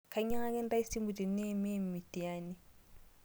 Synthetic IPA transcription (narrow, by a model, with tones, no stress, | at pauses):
kʰa˨i˦ɲa˦ŋa˦kɛ˦n̩˦da˦i˦si˦mbu˨tʼi˨ne˦me˦˨m̩˨mɪ˨tʼi˨aː˦nɪ˨